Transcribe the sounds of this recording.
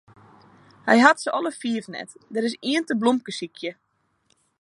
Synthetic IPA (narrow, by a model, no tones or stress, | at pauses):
hɛ̰jɦatsəʔɔlˠəfiəfnɛ̰tdəɾɪs̬iəntəblomp̚kəsikʰjə